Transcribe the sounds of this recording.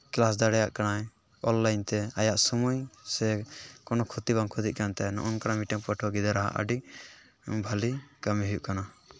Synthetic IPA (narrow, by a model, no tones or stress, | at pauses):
klasd̪aɽɛjaʔkanaj | ɔnlajnt̪ɛajaʔsɔmujsɛkɔnɔkʰut̪ibaŋkʰud̪iʔ̚kant̪ajnɔ̰ʔɔnkanamiʈɛŋpəʈʰɔɡid̪aɾaɦa̰ʔə̰ɖiʔ | bʱalikamiɦujuʔkana